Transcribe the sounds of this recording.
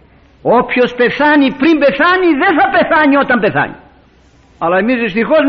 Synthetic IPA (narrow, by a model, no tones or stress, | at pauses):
opçospeθɐnipɾimbeθɐniðenθɐpe̞θɐɲiot̪ɐmbeθɐ̰ɲḭ | ɐlɐemizðist̪ixoz